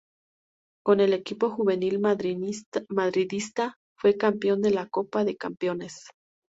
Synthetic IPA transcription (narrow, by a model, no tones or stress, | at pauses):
ko̞ne̞le̞kipo̞xuβe̞nil | maðɾiðist̪a | fwe̞kampjo̞nd̪e̞lako̞paðe̞kampjo̞ne̞s